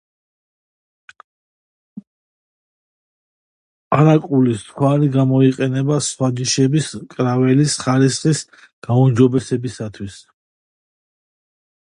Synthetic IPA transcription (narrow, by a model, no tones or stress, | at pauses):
aɾakʼulisχwaɾiɡamɔiqʼɛnɛbasχwad͡ʒiʃɛbiskʼɾavɛlisχaɾisχis | ɡ̥aumd͡ʒɔbɛsɛbisat̪ʰwis